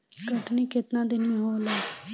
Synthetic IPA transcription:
kəʈniːkɪt̪nãːd̪ɪnĩːɦoːlaː

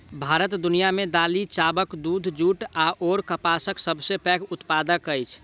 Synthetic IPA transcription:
bʱaɾət̪d̪unijamed̪alit͡ʃabəkd̪ud̪ʱd͡ʒuʈaʔoɾkəpasəksəbʱsepɛkʊt̪pad̪əkət͡ʃʰ

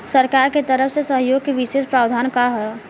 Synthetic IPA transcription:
səɾkaːɾket̪əɾəfsesəɦjoːɡ̚keʋɪʃeːʃpɾaːd̪ʱaːnkaɦɛ

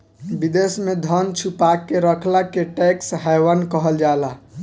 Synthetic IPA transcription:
bid̪esmed̪ʱənt͡ʃʰupakːeɾəkʰlakeʈɛksɦajwənkəɦəld͡ʒala

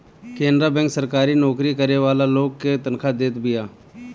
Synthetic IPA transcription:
kẽːnd̪ɾabɛ̃ŋksəɾkaːɾiːnɔːkɾikəɾeʋaːlaloːɡ̚ket̪ənkʰad̪eːt̪bɪjaː

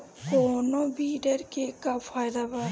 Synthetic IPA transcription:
koːnõːbiːɖəɾkekafʰaːjd̪aːbaɾ

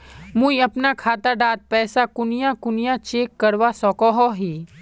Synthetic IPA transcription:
mũːĩɐpnakʰaːt̪aɖaːt̪̚pɛːsakʊnijãkʊnijat͡ʃeːkːɐɾʋasɔkɔɦɔɦiː

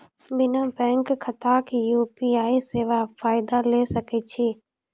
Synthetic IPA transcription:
bɪnãbɛ̃ːŋkkʰːɐt̪aːkjuːpiaːiseːʋafaːɪd̪aleːsɐket͡ʃʰiː

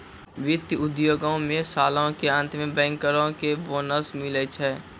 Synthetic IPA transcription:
wɪt̪jʊd̪joːɡõmẽsaːlõkeə̃nt̪ʰmẽbɛ̃ːŋkəɾõkeboːnəsmɪlət͡ʃʰɛː

